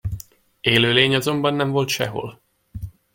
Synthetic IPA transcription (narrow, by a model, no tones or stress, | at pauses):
eːløːleːɲɒzo̞mbɒnːɛɱvo̞lt̪ʃɛɦo̞̰l